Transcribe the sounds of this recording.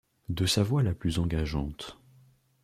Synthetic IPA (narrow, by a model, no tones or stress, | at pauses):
d̪əsavwalaplyzɑ̃ɡaʒɑ̃t̪